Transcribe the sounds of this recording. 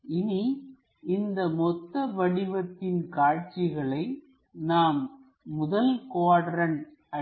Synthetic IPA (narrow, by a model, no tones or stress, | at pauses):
ɪni | ɪnd̪ɐmɔt̪ːɐʋɐɽɪʋɐt̪ːɪnkaːʈt͡ʃɪɣɐɭɐɪ | naːmː | ʊðɐlkoːɽɐɾɐn | ɐ